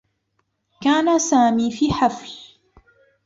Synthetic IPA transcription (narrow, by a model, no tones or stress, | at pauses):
kaːnasaːmiːfiːħafl